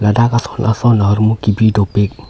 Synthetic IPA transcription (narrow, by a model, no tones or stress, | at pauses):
ladakasɔ̥nʔasɔnaɦɔɾmukibidɔpek̚